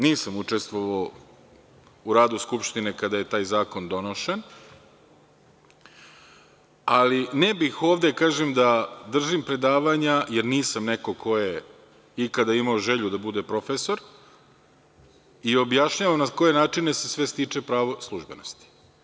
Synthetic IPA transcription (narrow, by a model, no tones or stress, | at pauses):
niːsamut͡ʂest̪ʋo̞ʋao | uɾaːd̪uskupʃt̪ine̞kad̪aje̞t̪aːjzaːko̞nd̪o̞no̞ʃen | alinebixo̞ːvʋd̪e̞kaːʒemd̪ad̪r̩ʒimpɾe̞d̪aːʋaɲajeɾniːsamneko̞kʰo̞je | ikad̪aimaoʒe̞ʎud̪abud̪e̞pɾo̞feso̞ɾ | io̞bjaʃɲaːʋamnako̞je̞naːt͡ʂine̞sesʋe̞st̪iːt͡ʂe̞pɾaːʋo̞slˠuʒbe̞̰nost̪i̥